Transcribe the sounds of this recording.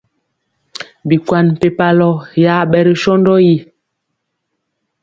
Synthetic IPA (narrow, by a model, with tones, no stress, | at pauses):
bi˨kwa˨nm̩˨pe˨pa˦lɔ˦ja˦ɓɛ˦˨ɾə˦˨ʃɔ˦ndɔ˦ji˦